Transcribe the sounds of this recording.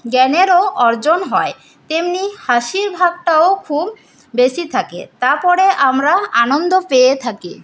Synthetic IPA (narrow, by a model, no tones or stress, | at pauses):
ɡɛneɾoʔɔɾd͡ʑonɦɔe | t̪emnihaʃiɾbʱaɡ̚ʈaokʰub | besit̪ʰakḛt̪aɾpɔɾeʔamɾaanond̪opeet̪ʰakḭ